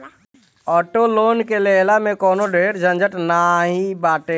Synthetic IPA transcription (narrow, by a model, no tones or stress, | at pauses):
ɔːʈoloːnkeleːlamẽkɔːnoɖʱeːɾd͡ʒʱə̃nd͡ʒəʈnaːɦĩbaːʈeː